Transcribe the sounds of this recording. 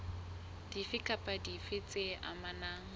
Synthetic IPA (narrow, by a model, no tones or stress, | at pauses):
d̥ifɪkʰʼapʼadifɪt͡sʼeʔa̰manaːŋ̩